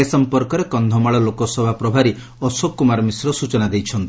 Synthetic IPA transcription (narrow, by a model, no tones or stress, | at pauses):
esɔmpɔɾkɔɾekɔnd̪ʱɔmaɭɔlokɔsɔbʱapɾɔbʱaɾi | ɔsokːumaɾmisɾɔsut͡ʃɔnad̪ejt͡ʃʰɔnt̪i